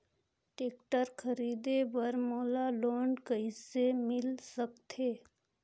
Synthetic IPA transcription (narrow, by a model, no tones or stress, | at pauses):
ʈeːk̚ʈəɾkʰəɾiːd̪ebəɾmoːlaloːɳɖkəisemɪlsəkt̪ʰeː